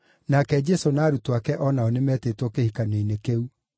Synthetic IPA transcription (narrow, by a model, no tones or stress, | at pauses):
nakɛd͡ʒɛsonaːɾutwakɛʔɔnaonemɛtetwɔkehikaneinekeu